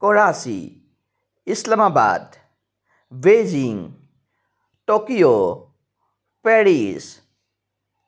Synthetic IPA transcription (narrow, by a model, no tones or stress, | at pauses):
koːɽaːsḭ | ɪslamaːba̰ːd̪ | ʋeːd͡ʒiŋ | ʈoːkijo | pɛːɽiːs